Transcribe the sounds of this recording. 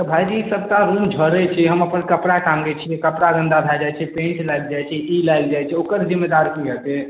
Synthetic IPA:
t̪ɔbʱajd͡ʒisəb̚ʱkaɾũmd͡ʒʱəɾɛt͡ʃʰiɦəməpənkəpɽaʈãŋɡɛt͡ʃʰijɛkəpɾaɡə̃nd̪abʱad͡ʒajt͡ʃʰɛpẽnt͡ʃlajld͡ʒajt͡ʃʰɛilajld͡ʒajt͡ʃʰɛokəɾzimːed̪aɾkiɦət̪e

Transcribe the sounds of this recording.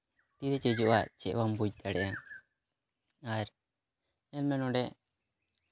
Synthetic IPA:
t̪iɾɛt͡ʃɛd͡ʒɔʔaʔt͡ʃɛ̰ʔwambud͡ʒt̪aɽɛʔa | aɾ | ɛlmɛnɔɖɛʔ

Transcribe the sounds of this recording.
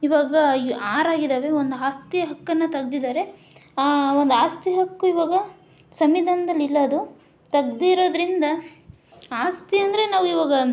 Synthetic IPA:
iʋaːɡɐiaːɾaːɡid̪aːʋe̞o̞nd̪uaːst̪ijɐɦɐkːɐnːɐt̪ɐɡd̪id̪aːɾe̞ | aːond̪uaːst̪iɦɐkːuiʋaːɡɐ | sɐmid̪ʱɐnɐd̪ɐlːilːɐːd̪u | t̪ɐɡd̪iɾo̞ːd̪ɐɾind̪ɐ | aːst̪iɐnd̪ɐɾe̞naːʋuiʋaːɡɐ

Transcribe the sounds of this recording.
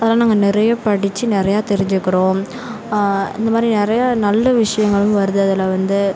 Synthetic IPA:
ɐðɐlaːnaːŋɡɐnɪɾɐjɐpɐɽɪt͡ʃːɯnɪɾɐjaːt̪ɛɾɪɲd͡ʒɯkːɪɾõː | ɪ̰nd̪ɐmaːd̪ɾinɪɾɐjɐnɐlːɐʋɪʂɐjɐŋɡɐɭɯmʋɐɾɯðɯɐðɐlɐʋɐnd̪ɯ

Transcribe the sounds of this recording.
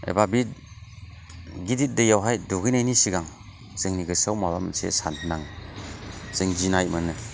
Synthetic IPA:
ḛbabit | ɡidit̚dɯjawɦajduɡɯjnajnisiɡaŋ | zɯŋniɡɯsawmabamsḛsantʰnaŋ | zɯŋd͡ʒinajmɯnɯ

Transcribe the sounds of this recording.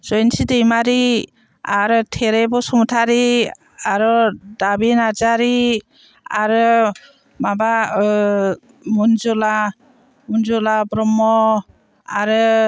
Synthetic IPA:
z̥ɔjnsidejmaɾi | aɾɯtʰeɾebɔsɔmutʰaɾi | aɾɔdabinazaɾi | aɾɯ | maba | munzɔla | munzɔlabɾɔmɔ | aɾɯ

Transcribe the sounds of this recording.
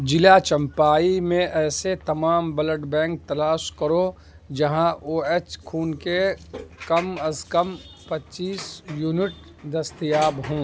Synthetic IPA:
d͡ʒɪlat͡ʃɐ̃mpaːimẽʔɛːset̪ɐmaːmbɐləʈbɛ̃ːŋk̚t̪ɐlaːʃkəɾo | d͡ʒɐɦãoːeːt͡ʃkʰuːnkekɐmɐzkəm | pɐtːt͡ʃiːsjuːnɪʈ | d̪ɐst̪ijaːbɦõː

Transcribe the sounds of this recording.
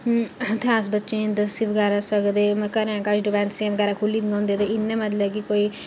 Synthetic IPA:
t̪ʰãːsbətːʃẽːd̪əsiːʋəɡɛːɾaːsəkd̪eːmɛ̃kəɾãːkaʃɖɪpɛ̃ːnsiãʋəɡɛːɾaːkʰʊlːiːd̪ŋɡãːnd̪eːt̪eːɪnːẽːmət̪ləbkikoːiː

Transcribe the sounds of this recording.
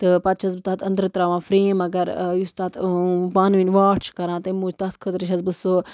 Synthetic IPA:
t̪ɨpɐt̪̚t͡ʃʰɐsbɨt̪aːt̪ʰɐ̃nd̪ɾɨt̪ɾaːʋãːfɾeːmɐɡɐɾjust̪aːt̪baːnʋinʲʋaːʈʰt͡ʃʰkɐɾãːt̪ɐmũːd͡ʒt̪ɐt̪kʰət̪ɾɨʃ̬ɐsbɨso

